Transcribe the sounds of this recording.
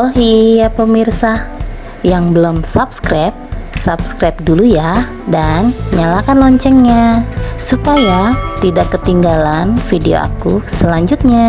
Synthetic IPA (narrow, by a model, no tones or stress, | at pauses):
ɔlɦijapəmirsa | jaŋbəlomsapskɾap̚sapskɾap̚duluja | danɲalakanlɔɲt͡ʃɛŋɲasupajat̪idakːət̪iŋɡalanfideo̰a̰kusəlaɲd͡ʒut̪̚ɲa